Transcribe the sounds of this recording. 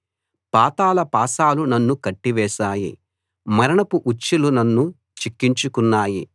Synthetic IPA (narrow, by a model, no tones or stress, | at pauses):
paːt̪aːlɐpaːsaːlunɐnːukɐʈːiʋɛːʃaːjḭ | mɐɾɐɳɐpuʔut͡ʃːilunɐnːu | t͡ʃikːiɲt͡ʃukunːaːji